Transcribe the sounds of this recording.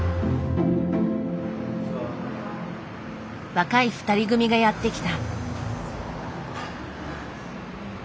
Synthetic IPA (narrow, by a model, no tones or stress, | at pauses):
βakaiɸɯ̟̥t̪aɾʲiɡɯ̟mʲiɡajat̪ːe̞kʲi̥t̪a